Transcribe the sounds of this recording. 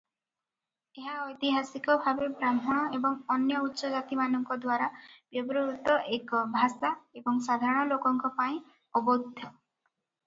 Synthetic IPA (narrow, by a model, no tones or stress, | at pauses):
eɦaɔjt̪iɦasikɔbʱabebɾamɔɽ̃ɔebɔŋɔnjɔutːʃɔd͡ʒat̪imanɔŋkɔd̪waɾab̥jɔbɔɾoɾut̪ɔʔekɔbʱasaebɔŋsad̪ʱaɾɔɽ̃ɔlokɔŋkɔpaĩ | ɔbod̪ʱjɔ